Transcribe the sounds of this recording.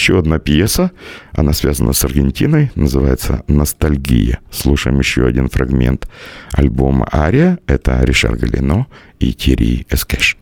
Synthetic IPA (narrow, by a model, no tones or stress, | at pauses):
ɕːoɐd̪napjesəɐnasvʲazənəsɐrɡʲɪnʲtʲinəjnəzɨvajɪt̪sə̰nəst̪ɐlʲɡʲḭjəslˠuʂəjɪmjɪɕːoɐdʲinfrɐɡmʲe̞̰nt̪ɐlʲbo̞mə̰ʔaɾʲɪəɛt̪ə̰ɾʲɪʂa̰rɡəlʲɪ̰no | itʲʰɪɾʲḭɛskɛʂ